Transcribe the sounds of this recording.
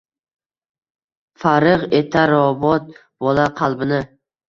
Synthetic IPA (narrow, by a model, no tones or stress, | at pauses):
faɾɨʁet̪ʰaɾɒbɒt̪̚ | bɒlaqʰɑlˠbɪnɪ